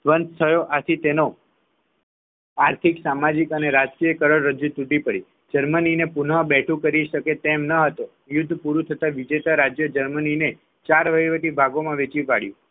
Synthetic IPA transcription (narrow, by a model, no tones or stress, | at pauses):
sʋənst̪ʰəjoʔat̪ʰit̪eno | aɾt̪ʰiksamad͡ʒikəneɾad͡ʒkijəkəɾəɭːəd͡ʒut̪uʈipəɽi | d͡ʒəɾməninepunəbɛʈʰũkəɾiʃəket̪emnəɦət̪o | jʊd̪ʱːpuɾũt̪ʰət̪aʋid͡ʒet̪aɾad͡ʒjəd͡ʒəɾmənine | t͡ʃaɾʋəjʋət̪ibʱaɡomãʋet͡ʃipaɽjṵ̃